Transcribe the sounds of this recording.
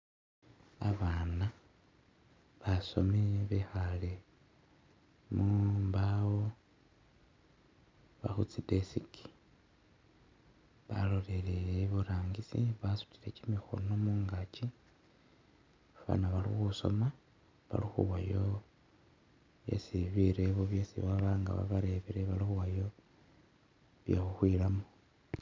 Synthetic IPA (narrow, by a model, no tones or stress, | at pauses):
aβaːna | βaso̞̰meβexale | mumbawo | βa̰xut͡sidesikʰi̥ | βa̰lo̞leleeβuɾaːŋɡisiβasu̥tiɾecimixo̞̰no̞muːŋɡat͡ʃi | βa̰naβalḭxuso̞̰ma | βa̰lixṵwajo | βjḛsiβiɾeβoβjesḭβaβaŋɡa̰βa̰βaɾeβiɾeβalixuwajo̞ | βjexuxwilamo